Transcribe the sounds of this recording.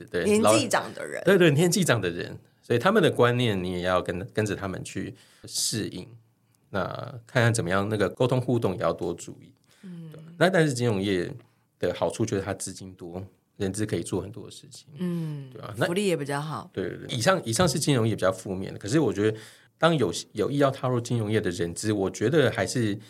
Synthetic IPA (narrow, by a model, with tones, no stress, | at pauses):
t̪we˥˩ɛ˧˥˦i˥˩ʈ͡ʂɑ̰˨˩ŋd̪ə̰˨ɻə̰˧˦t̪we˥˧t̪we˥˩njɛ˧˥nt͡ɕi˥˩ʈ͡ʂɑ˨˩ŋd̪ə˩ɻə̰˧˦n | sɔ˥i˨˩t̪ʰa˥mə˨nd̪ə˩kwa˦nnjɛ˥˩nni˧˥jɛ˨˩jɑ˥˩ʊkə˥nkə˦nʈ͡ʂə˨t̪ʰa˥mə̰˨nt͡ɕʰy˥˧ | ʂɻ̩˥˧ḭ˨˩ŋ | na̰˥˧kʰa˥˧nkʰa˥˩nt͡sə˨˩mə˦jɑ˥˧ŋna˥˩ɡə˩ko˥ʊt̪ʰʊ˥ŋxu˥˧t̪ʊ˥˩ŋjɛ˨˩jɑ̰˥˩ʊt̪wɔ˥t͡sṵ˥˨˩i˥˩ | t̪we˥˩ba˨˩na˥˧t̪a˥˧nʂɻ̩˥˩t͡ɕi˥nɻoʊ˧˥ŋjɛ˥˩ | d̪̥ə˩xɑ˨˩ʊʈ͡ʂʰu˥˩t͡ɕjo˥˧˩a˥˧t͡sɹ̩˥t͡ɕi˥nt̪wɔ˥ | ɻə˧˥nt͡sɹ̩˥kʰɤ˧˥i˨˩t͡swɔ˥˩xə˨˩nt̪wɔ̰˥d̪ə˨ʂɻ̩˥˩t͡ɕʰi̥˨˩ŋ˥t̪we˥˩ɪa̰˨˩na˥˨˧li˥˩jɛ˨˧˩pi˨˩t͡ɕɑ˥˩ʊxɑ˨˩˦t̪we˥˧t̪wḛ˥˧t̪i˨˩ʂɑ˥˩ŋi˨˩ʂɑ˥˧ŋʂɻ̩˥˩t͡ɕi˥nɻŋjɛ˥˩pi˨˩t͡ɕɑ˥˧ʊfu˥˧mjɛ̰˥˩nd̪ə˩kʰʂɻ̩˥˩wɔ˨˩t͡ɕɥɛ˧˥d̪ə˧ | t̪ɑ˥ŋjo˨˩ʊɕjo˨˩ʊi˥˧jɑ˥˩ʊt̪ʰɑ˥˧ʊɻu˥˩t͡ɕi˥nɻʊ˧˥ŋjɛ˥˩d̪ə˩ɻə˧˥nt͡sɹ̩˥wɔ˨˩t͡ɕɥɛ˧˥d̪ə˨xa˧˥ɪʂɻ̩˥˩